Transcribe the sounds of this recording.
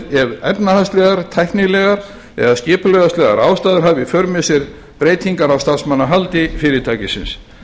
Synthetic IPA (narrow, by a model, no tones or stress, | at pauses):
ɛvɛpnahanst̪lɛɣaɾt̪ʰajhknɪlɛɣaɾ̥ | ɛ̰ðascɪːpʏlœɣðast̪lɛɣa̰ɾaːwst̪aːðʏɾ̥ɦavɪfœɾmɛsɛɾ | pɾeːjt̪ʰiŋkaɾawst̪ansmanːaɦalt̪ɪfɪːɾɪt̪ʰaːcɪsɪ̰ns